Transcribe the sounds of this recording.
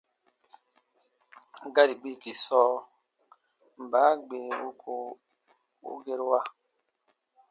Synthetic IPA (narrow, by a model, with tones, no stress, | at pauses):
ɡa˦ɾi˨ɡ͡bi˦˨ki˨sɔː˦ | m˨baː˨˦ɡ͡beː˨u˦kʰo˨ | ṵ˦ɡe˦ɾwa˦